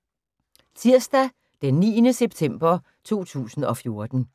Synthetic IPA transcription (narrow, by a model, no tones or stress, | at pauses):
t͡sʰiɐ̰sd̥æ | d̥enːḭːnəseb̥̚t͡sʰem̰b̥ɐ | t͡sʰo̝̰ːt͡sʰṵːsn̩ɒ̽fjo̝ɐd̥n̩